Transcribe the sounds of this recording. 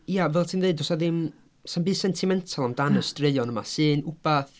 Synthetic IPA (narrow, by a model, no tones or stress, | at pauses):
ijavɛlˠtʰiːnðeɨdɔsaðɪm | sanbi̥ːsɛntʰimɛntʰalˠamdanəstreɨɔnəma̰sɨːnub̥aθ